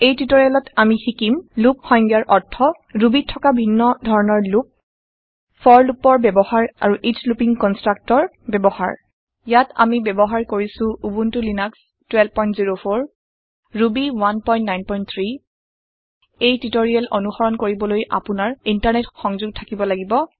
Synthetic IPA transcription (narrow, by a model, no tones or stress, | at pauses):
ejtitoɹijalɔtamixikimlup̚xɔjŋɡjaɹʔɔɹtʰːɔ | ɹubitʰːɔkabʱinːɔdʱɔɹɔnɔɹlup̚ | fʰɔɹlupɔɹbɛbɔhaɹa̰ɹuʔislupiŋkɔnstɹak̚tɔɹ | bɛbɔha̰ɹ | jata̰mibɛbɔɦaɹkoɹisʊ̃ubuntulinaks | twɛlbpɔjntziɹofʰoɹ | ɹubiwanpɔj̃ntnajnpɔjnt̪ʰɹi | ejtitoɹialʔonuxɔɹɔnkoɹibɔlojʔa̰pʊnaɹintaɹnɛtxɔŋzuɡ̚tʰakibɔlaɡibɔ